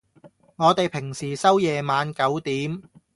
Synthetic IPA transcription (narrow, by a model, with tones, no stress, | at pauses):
ŋɔː˨˧t̪e˨jpʰɪ˨˩ŋsiː˨˩sɐ˥wjɛː˨maː˨˧nkɐ˨˥wt̪iː˨˥m